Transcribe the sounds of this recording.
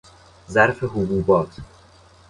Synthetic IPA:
zæɾfeɦubuːbɒːt̪ʰ

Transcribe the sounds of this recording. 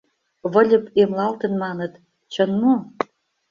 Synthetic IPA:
βə̆lʲə̆pemlɑlt̪ə̆nmɑnə̆t̪ | t͡ɕə̆nmo

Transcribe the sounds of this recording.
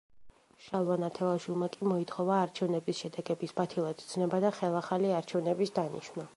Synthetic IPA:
ʃalˠanat̪ʰɛlˠaʃilˠmakʼimɔit̪ʰχɔvaːɾt͡ʃʰɛvnɛbisʃɛd̪ɛɡɛbisbat̪ʰilˠad̪d̪znɛbad̪aχɛlˠaχaliaɾt͡ʃʰɛvnɛbisd̪anḭʃwna

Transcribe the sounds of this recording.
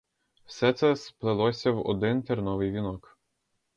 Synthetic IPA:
wsɛt̪sɛsplˠɪlˠɔsʲɐwɔ̰d̪ɪnt̪eɾnɔʋɪjʋʲinɔk

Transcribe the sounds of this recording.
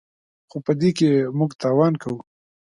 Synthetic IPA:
xopəd̪ekemʊɡt̪ɑːwɑnkʰawu

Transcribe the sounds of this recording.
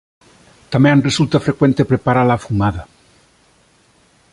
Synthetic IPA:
t̪amjenresult̪afɾekwent̪epɾepaɾalafumaða

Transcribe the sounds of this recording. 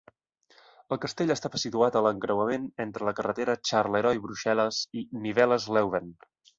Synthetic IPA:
əlˠkəst̪eʎəst̪aβəsit̪uat̪ələŋkɾəwəmenent̪ɾələkərət̪eɾət͡ʃarleɾɔjβɾuʃɛləziniβɛləzlɛwβen

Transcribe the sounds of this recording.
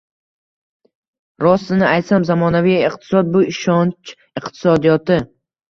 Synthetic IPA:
ɾɒsːɪnɪajt̪samzamɒnavijiq̚t̪ʰɪ̥sɒd̪̚bʊɪʃɒnt͡ʃ | ɪqt̪ʰɪ̥sɒd̪ijɒt̪ɪ

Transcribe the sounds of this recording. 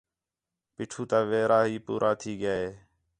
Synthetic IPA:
piːʈʰuːt̪ãːʋeːɾaːɦiːpṵːɾʔaːt̪ʰiːɡɪjaːɦeː

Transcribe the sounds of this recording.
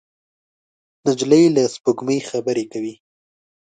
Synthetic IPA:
nad͡ʒləjlaspuɡməjxabəɾekawi

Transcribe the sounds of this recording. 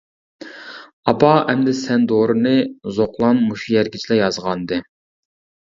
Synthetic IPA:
ɑpɑɛmd̪ɛsɛnd̪oɾɨnɨzoqlˠɑnmuʃujɛɾɡʲit͡ʃʰilɛjɑzʁɑnd̪ɨ

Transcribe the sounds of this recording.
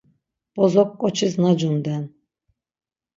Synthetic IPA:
b̥ɔzɔkːɔt͡ʃʰɨznad͡ʒund̪ɛn

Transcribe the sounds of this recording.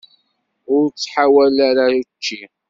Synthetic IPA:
ʊɾt͡sːħawælaɾaut͡ʃːi

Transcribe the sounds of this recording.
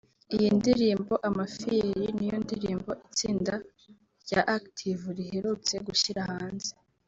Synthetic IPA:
ijindiɾiːmbo̞ʔamafiɾinijondiɾiːmbo̞ʔit͡siːnda | ɾɟaʔaktʰivuɾihe̞ɾut͡se̞ɡuʃiɾahaːnze

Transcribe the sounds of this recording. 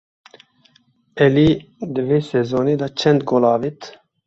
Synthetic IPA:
ɛlid̪ɨveːsɛzoːneːd̪ɑːt͡ʃʰɛnd̪ɡolɑːvit̪

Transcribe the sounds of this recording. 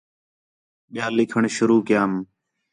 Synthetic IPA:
ɓɪjaːlɪkʰəɳʃʊɾuːkɪjaːm

